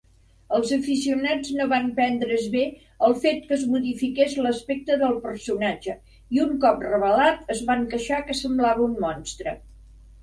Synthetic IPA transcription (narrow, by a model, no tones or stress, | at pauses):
əlˠzəfis̬iunad͡znoβampɛnd̪ɾəzβe | əlˠfet̪kəzmuðifikezləspek̚t̪əðəlˠpərsunad͡ʒə | iuŋkɔp̚rəβəlat̪əzβaŋkəʃakəsəmblaβəummɔnst̪ɾə